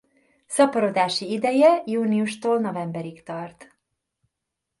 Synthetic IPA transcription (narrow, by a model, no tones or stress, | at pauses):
sɒpɒɾo̞d̪aːʃiid̪ɛjɛjuːniuʃt̪oːlno̞vɛmbɛɾikt̪ɒrt̪